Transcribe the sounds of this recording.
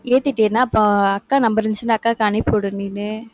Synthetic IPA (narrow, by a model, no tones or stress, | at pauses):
eːt̪ːɪʈːeːnːaːɐpːõːɐkːaːnɐmbɐɾɯnt͡ʃɯnɐkːãːkːaːnɪpːoːɽɯniːnɯ